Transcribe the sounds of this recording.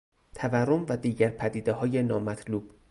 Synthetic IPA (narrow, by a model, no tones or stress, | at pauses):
t̪ʰæværːomvæd̪iːɟæɾpʰæd̪iːd̪eɦɒːje̞nɒːmæt̪ʰluːb̥